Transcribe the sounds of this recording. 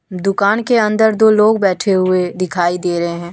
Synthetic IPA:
d̪ʊkaːnkeɐ̃nd̪əɾd̪oːloːɡbɛːʈʰeɦʊed̪ɪkʰaːid̪eːɾɐɦeɦɛ̃ː

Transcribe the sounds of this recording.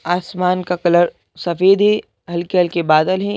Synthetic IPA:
aːsmaːnkakɐləɾ | sɐfeːd̪e | ɦɐlkeɦɐlkebaːd̪əlɦɛ̃

